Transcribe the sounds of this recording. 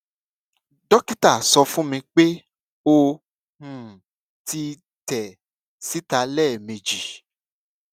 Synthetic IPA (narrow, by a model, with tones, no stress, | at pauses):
dɔ˦ki˦ta˦˨sɔ˧fũ˦mĩ˧k͡pe˦ | o˦ | hũ˨ | ti˦ | tɛ˨ | si˦ta˧lɛː˦˨me˨d͡ʒi˨